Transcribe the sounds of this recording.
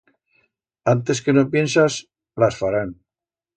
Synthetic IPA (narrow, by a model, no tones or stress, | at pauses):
ant̪eskenopje̞nsas | lasfaɾan